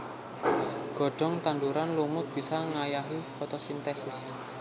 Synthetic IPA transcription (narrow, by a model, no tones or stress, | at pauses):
ɡ̥ɔ̤ɖ̥ɔ̤ŋt̪and̪uɾanlumʊt̪̚b̥i̤saŋajaɦifɔt̪ɔsint̪esɪs